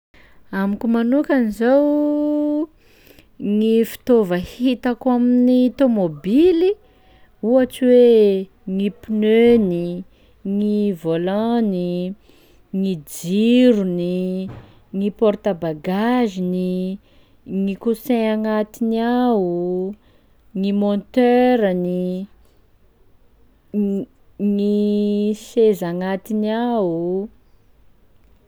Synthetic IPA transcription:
amikumanukanizaw | ŋifi̥t̪ovəhit̪akaminit̪omobili | uat͡siwe | ŋipinøni | ŋivolãni | ŋid͡ziɾuni | ŋipɔɾt̪abaɡazini | ŋikuseaŋat̪iniau | ŋimont̪øɾani | ŋi | sezaŋat̪inawu

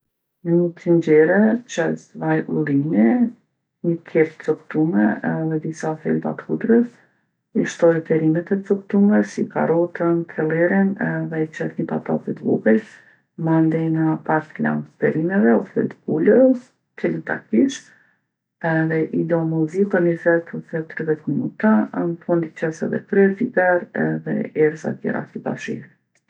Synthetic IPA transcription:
nənit̪ənd͡ʑɛɾɛt͡ʃəsvajʔulˠimi | ɲəkʰɛpt̪t͡sɔkt̪umɛɛðɛd̪isafɛ̰lba̰t̪kud̪ɾəs | iʃt̪ɔɾt̪ɛɾimɛt̪ɛt͡sɔkt̪umɛsika̰ɾɔt̪ənt̪ʰɛlˠɛɾinɛðɛit͡ʃəsɲəpa̰t̪a̰lˠfɛt̪ɡṵɡəl | mand̪ɛnəpaɾt̪la̰nt̪ɛɾimɛvɛɔɛ̰t̪ɡulə | tɛlət̪a̰kiʃ | ɛðɛʔid̪ɛɔmuzikənifɛt̪fɛt̪ɾivɛt̪minut̪anfund̪icɛsɛ̰ðɛ̰kɾɛɾfibɛɾɛ̰ðɛ̰ɛɾza̰t̪jɛ̰ɾa̰siba̰ʃḭɾ

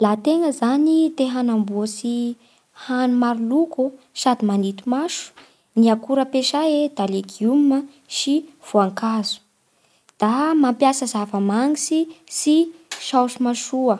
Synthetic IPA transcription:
lat̪eŋəzanit̪eɦanambuəsi | hanumaɾuluku | sad̪imanit̪umaʃu̥ | niakuɾəpeʃaed̪̥aleɡiumə | ʃiv̥uaŋkazu̥ | d̪̥amampjasəzavəmaŋisisiʃawʃumaʃuə

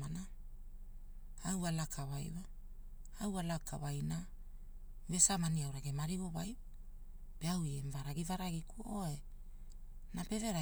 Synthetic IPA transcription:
ana | awalakʰaβajwa | awalakʰa̰βajna | vesamaniawɾaɡemaɾiβo̞βajp | peawiemvaɾaɡivaɾaɡikuoe | nape̞ve̞ɾa

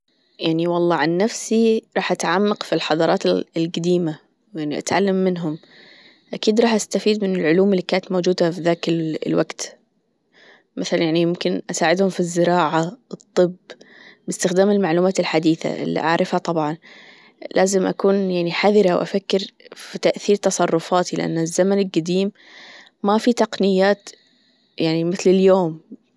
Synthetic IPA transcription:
jaʕniwɑlˤːɑːʕanːafsiɾˤɑːħʔat̪ʕamːaqfilħɑðˤɑɾˤɑːt̪ɪɪlɡad̪iːma | wjaʕniʔa̰t̪ʕalːamːɪnɦʊm | ʔakiːd̪ɾˤɑːħʔast̪afiːd̪mɪnɪlʕʊluːmɪlːiːkaːnat̪moːd͡ʒuːd̪afiðaːkɪllwaɡt̪ | mʔaθalanjaʕnijɪmkɪnʔasaːʕɪd̪hʊmfizːɪɾɑːʕaɨt̪ˤːɨbbɪst̪ɪxd̪aːmɪlmaʕluːmaːt̪ɪlħad̪iːθa̰ʔɪ̰lːḭʔa̰ʕɾɪfhat̪ˤɑbʕɑn | lʔaːzɪmʔa̰kuːnjaʕniħaðɪɾawʔa̰fakːɪɾfit̪aʔθiːɾt̪ɑsˤɑrˤːʊfaːt̪ilɪ̰ʔa̰nːazːamanɪlɡad̪iːmː | afit̪ɑqnɪjːaːt̪ | jaʕnimɪθlɪljoːm

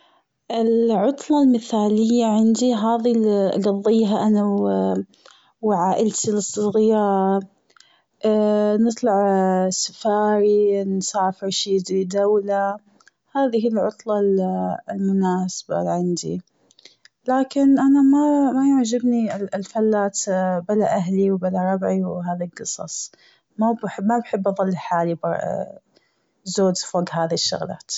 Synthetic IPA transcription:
ʔɪlʕʊt̪ˤlɑlmɪθaːlɪjːaʕɪnd̪iɦaːðiɡɑðˤːiːɦaʔanaw | wʕaːʔɪlt̪lɨsˤːɨɣɪjɑːɾ | ʔnɨt̪ˤlɑʕsḁfaːɾinsˤɑːfɪɾʃiːɪd̪ɾid̪awla | haːðihilʕʊt̪ˤlɑllmʊnaːsḁba̰ʕɪnd̪ḭ | laːkɪnʔanamamajʊʕd͡ʒɪbnilfalːaːt̪balaʔaɦliwbalaɾˤɑbʕiwɦaːðalɡɨsˤɑ̰sˤ | mabħmabħɪbːʔɑðˤɑlːiħaːlibɑɾ | zoːd͡ʒfoːɡɦaːðiʃːʊ̰ɣla̰ːt̪

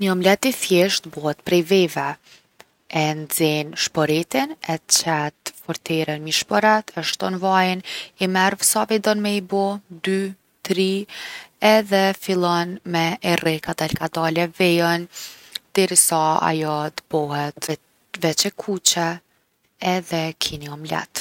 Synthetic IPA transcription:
ɲɔmlɛt̪ːiθjɛʃt̪bɔhɛt̪pɾɛjvɛvɛ | ɛnd͡zɛnʃpɔɾɛt̪inɛt͡ʃɛt̪fɔɾt̪ɛɾɛnmiʃpɔɾɛt̪ʰɛʃt̪ɔnvajnimɛɾvsavid̪ɔnmɛibɔd̪y | t̪ɾi | ɛðɛfilˠɔnmɛʔɛrɛkat̪ɛlkad̪alɛvɛjɔnd̪̥ɛɾisaa̰jɔt̪əbɔhɛt̪ | vɛt͡ʃɛkʰut͡ʃɛː | ðɛkʰiniɔmlɛ̰t̪

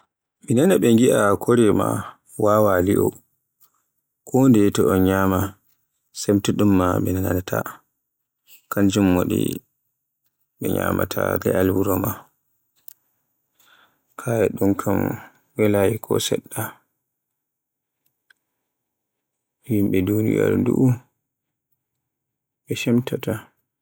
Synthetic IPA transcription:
minanaɓɛŋɡiʔakʰoɾɛma̰ | waːwaliʔɔ̰ | kʰɔndɛtɔʔɔnɲaːma | sɛmtuɗumːamɛnananatʰa | kand͡ʒumːoɗḭ | ɓɛɲama̰tʰalɛ̰ʔalwuɾɔma | kʰajɛɗunkʰam | wɛlajikʰɔ̰sɛ̰ɗːa | jimɓɛdunija̰lnduʔu | ɓɛʃɛmtata

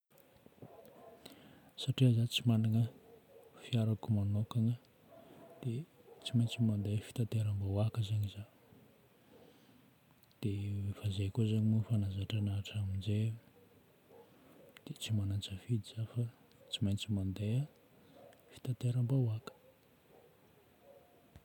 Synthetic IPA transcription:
saʈ͡ʂiəzat͡simanaŋə | fiaɾakumanokaŋə | d̪̥et͡simajnt͡simand̪efi̥t̪at̪eɾambawakəzaɲiza | d̪̥eefazekuzaɲimufanazaʈ͡ʂanaːʈ͡ʂamind͡ʒe | d̪̥et͡simanant͡səfid̪iz̥afa | t͡simant͡simand̪ea | fi̥t̪at̪eɾambawakə̥

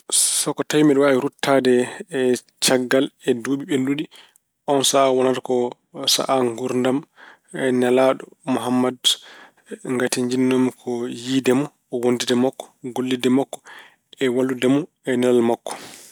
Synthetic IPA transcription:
sɔkɔtajmɛɗwaiɾutʰːadɛ | t͡ʃaɡːalɛduɓiɓenduɗi | ʔɔnsaːwɔnatakɔ | sa̰ʔaŋɡuɾndam | ɛnɛlaɗɔmuɦamːad | ŋɡatiɲd͡ʒinːomikʰɔjidɛmu | wondidɛmakːɔ̥ɡolːidɛmakːɔ̥ | ɛwalːudɛmɔ | ɛnɛlalmakːɔ̥

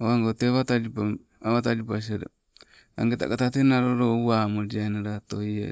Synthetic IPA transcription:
owaŋɡoteβatad͡ʒipa | aβatad͡ʒipas̬eɾḛ | a̰ŋɡeta̰katatenaɾoɾowamod͡ʒanaɾat̪ojḛ

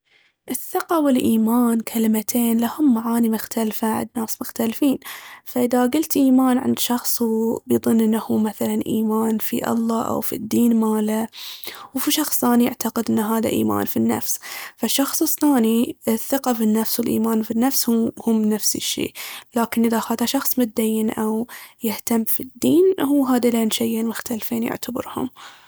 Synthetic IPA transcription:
ʔɪθːɪqawɪlʔiːmaːnkʰalɪmat̪ʰeːnlahʊmːaʕaːnimʊxt̪alfaa̰nːaːsmʊxt̪alfiːnfaʔɪðaɡʊlt̪ʔiːmaːnʕɪ̰nd̪ʃɑxsˤbjðˤʊnːʔɪnːahuːmaθalanʔiːmaːnfḭʔɑ̰lˤːɑːʔa̰wfḭd̪ːiːnmaːla | wfiʃɑxsˤθaːnija̰ʕt̪aqɪd̪ʔɪnːɦaːða̰ʔḭːma̰ːnfinːa̰fsfaʃːɑxsˤɨθaːniɪθːɪqɑfinːafswɪlʔḭːmaːnfinːafshuhʊmnafsḭʃːḭːlaːkɪnʔɪðaxaːd̪aʃɑxsˤmʊt̪̚d̪ajːɪnʔawjɪht̪amːfid̪ːiːnhuːɦaːd̪aleːnʃejlmʊxt̪alfiːnjʊ̰ʕt̪ʰabɪ̰ɾhʊ̰m

